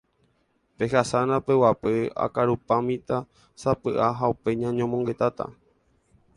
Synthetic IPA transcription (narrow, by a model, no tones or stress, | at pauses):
pe̞hasanãpewapea̰kaɾupamĩt̪a | sapɨʔaɦaupe̞ɲãɲõmõŋɡe̞t̪at̪a̰